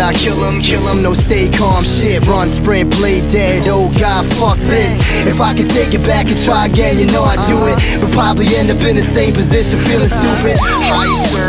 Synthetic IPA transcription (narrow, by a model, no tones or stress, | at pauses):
aɪkʰɪlˠə̃mkʰɪlˠə̃mnoʊsteɪkʰɑɹmʃɪt̚ɹʌ̃nspɹɪ̃ŋpʰl̥eɪdɛɾoʊɡɑdfʌk̚ðɪs | ɨfaɪkɨ̃ntʰeɪkɨt̚b̥ækɨ̃ntʰɹ̥aɪɨɡɛ̃njɨnoʊaɪduɪt̚ | b̥ʌt̚pʰɹ̥ɑbəbliɛ̃ndʌpɨ̃nðɨsẽɪ̃mpʰɨzɪʃɨ̃nfilˠɨ̃stupɨd̥̚ | ha | s